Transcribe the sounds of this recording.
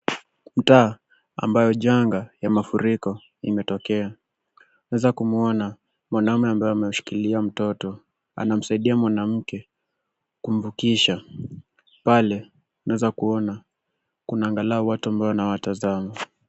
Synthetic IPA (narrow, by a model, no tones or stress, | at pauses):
m̩taː | a̰mbajɔʄaŋɡajamafuɾikɔ | imɛtɔkɛa | nawɛzakumuɔna | mwanaumɛambajɔamɛuʃi̥kiliam̩tɔtɔ | a̰nam̩saiɗiamwanam̩kɛ | kum̩vukiʃa | palɛ | naɛzakuɔna | kunaːŋɡalaɔwatuambaɔnawatazama